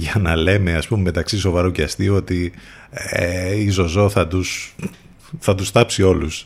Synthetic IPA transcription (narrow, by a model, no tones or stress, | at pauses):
ʝɐnɐle̞me̞ɐspume̞me̞t̪ɐksiso̞vɐɾoceɐst̪io̞t̪i | eizo̞zo̞θɐt̪us | θɐt̪ust̪ɐpsio̞lus